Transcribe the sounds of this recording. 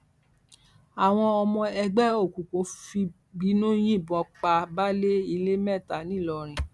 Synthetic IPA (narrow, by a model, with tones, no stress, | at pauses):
a˨w̃ɔ̃˧ɔ˧mɔ̃˧ɛ˧ɡ͡bɛ˦o˦˨ku˨ko˨˦fi˧ | ɡ͡bi˨˦nõ˦j̃ĩ˦˨bɔ˧˦k͡pa˧ba˦le˦i˧le˦mɛ˦˨ta˨nĩ˦˨lɔ˧ɾ̃ĩ˨